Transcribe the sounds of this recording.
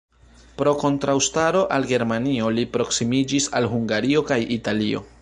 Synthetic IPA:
pɾo̞ko̞ntɾawstaɾo̞ʔalɡe̞ɾmanio̞lipɾo̞ksimid͡ʒisa̰lɦuŋɡaɾio̞kajitalio̞̰

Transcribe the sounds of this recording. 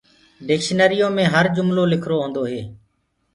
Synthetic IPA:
ɖɪkʃnəɾɪjoːmẽːɦəɾd͡ʒʊmloːlɪkʰɾoːɦõːnd̪oːɦeː

